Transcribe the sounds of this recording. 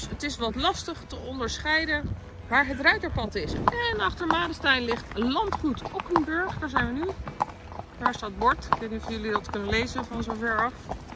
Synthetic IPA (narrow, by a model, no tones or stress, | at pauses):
sətɪsʋɑtlɑstəχtəɔndəɹsχɛjdən | ʋaːɹɦətrœɥtəɹpɑtɪsɛnɑχtəɹmaːdəstɛjnlɪχtlɑntχutɔkənbɵɹχdaːɹzɛjnʋəny | d̥aːɹstaːt̚bɔɹtɪkʋejtnitɔfjɵlidɑtkɵnənlejzənvɑnzowvɛɹɑf